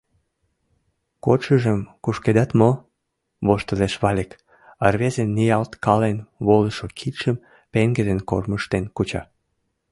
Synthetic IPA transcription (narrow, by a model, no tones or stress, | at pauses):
koʃəʒəmkuʃked̪at̪mo | βoʃt̪əleʃβɑlʲek | ərβezenːijɑlt̪kɑlenβoləʃokʰit̪ʃəm | peŋɡed̪enko̰rməʃt̪enkut͡ɕɑ̰